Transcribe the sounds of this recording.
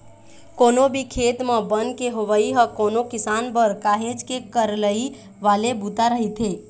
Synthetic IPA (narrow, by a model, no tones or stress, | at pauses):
koːnobʱikʰeːt̪mãbə̃nkeɦoʋəiɦəkoːnokɪsaːnpəɾkaːɦed͡ʒkekəɾləi | ʋaːlebuːt̪aɾəɦit̪ʰeː